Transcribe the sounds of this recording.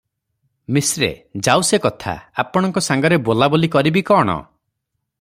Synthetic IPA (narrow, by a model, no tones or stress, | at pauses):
misɾḛd͡ʒawsekɔt̪ʰa̰apɔɽ̃ɔŋkɔsaŋɡɔɾebolabolikɔɾibikɔɽ̃ɔ̰